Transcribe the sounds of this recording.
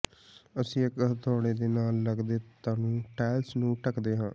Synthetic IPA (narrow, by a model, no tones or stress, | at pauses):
əsĩːɪkɦt̪ʰɔːɽeːd̪eːnaːlːəɡd̪eːt̪aːnũːʈɛːlsnũːʈəkd̪eːɦãː